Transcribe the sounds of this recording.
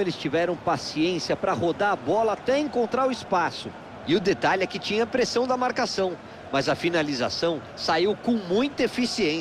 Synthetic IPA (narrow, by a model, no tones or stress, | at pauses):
elɪst͡ʃivɛɾɐ̃w̃pasiẽsiɐpɾɐɦod̪aɾɐbɔlɐat̪ɛẽŋkõnt̪ɾaɾʊispasʊ | ɪʊd̪et̪aʎɛkɪt͡ʃĩɲɐpɾesɐ̃w̃d̪ɐmaɾkasɐ̃w̃ | mɐzɐfinaliza̰sɐ̃w̃ | saiwkõw̃mũj̃t̪ɐefisiẽ